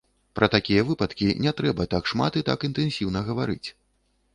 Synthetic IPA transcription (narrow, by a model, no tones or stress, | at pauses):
pɾʔɐt̪akʲijɐvɨpɐt̪kʲinʲɛt̪ɾɛbɐt̪akʂma̰t̪it̪a̰kint̪ɛnsʲiwnɐɣɐvaɾɨ̰t͡sʲ